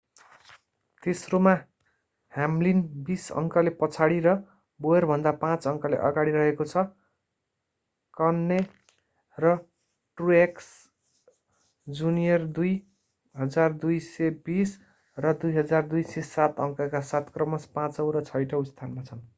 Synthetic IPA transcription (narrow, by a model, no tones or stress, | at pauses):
t̪esroma | hamlinbisʌ̰ŋkʌlepʌt͡sʰaɽiɾʌ | boerbʱʌnd̪apãt͡sʌŋkʌlḛʔʌ̰ɡaɽiɾʌɦekot͡sʰʌ | kʌnːe | rʌ | ʈrueks | d͡zunijʌrd̪uj | ɦʌd͡zard̪ujsebis | rʌd̪ujɦʌd͡zard̪ujsesat̪ʌŋkʌkasat̪krʌmʌspãt͡sʌwɾʌt͡sʰʌjʈʌwst̪ʰanmat͡sʰʌn